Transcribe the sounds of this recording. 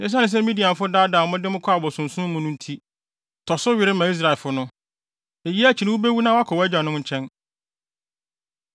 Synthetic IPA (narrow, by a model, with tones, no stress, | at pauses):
nɪ̃˦s̬a˦nɪ̃˨˦s̬ɛ˦mĩ˦di˨a˨fʊ˦daː˦da˨mʊ̃˦dɪ˦mʊ̃˦kʰɔ˦a˨bɔ˨sʊ̃˨n̩˨sʊ̃˦mʊ̃˦nʊ̃˦n̩˦tʰi˦ | tʰɔ˨sʊ˦ɥɪ˨ɾɪ˦mã˨i˦s̬ɾa˨lfʊ˦nʊ̃˦ | e˨ji˦æ˨t͡ɕʰi˨nɪ̃˦wu˦be˦wu˦nã˦wa˦kʰɔ˨wɛ˦d͡ʑᶣã˨nʊ̃˦ɲ̩˦t͡ɕʰɛ̃˦n